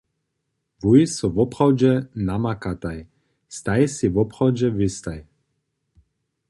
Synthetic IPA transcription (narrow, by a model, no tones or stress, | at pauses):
vujisɔvɔpχawd͡ʒɛnamakat̪aj | st̪ajsivɔpχawd͡ʑɛvist̪aj